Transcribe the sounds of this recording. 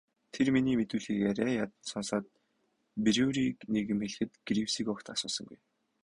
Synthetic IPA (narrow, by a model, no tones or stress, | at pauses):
t̪ʰerminiːmet̪uːɮiːkaɾæːjat̪sɔnsaːt̪̚ | piɾuɾiːkneɣɘ̆mxeɮɘ̆xɘ̆t̪ɡ̥ɾiwsiːkɔkt̪ʰasʊ̰ːsə̆ŋɡṵj